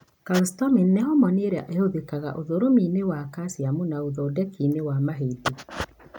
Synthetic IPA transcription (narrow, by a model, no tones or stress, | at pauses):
kaɾstɔminːɛhɔmɔneeɾea̰ʔehoðekaɣaʔoðoɾominewakasjamunaoðɔdɛkinewamaɦedi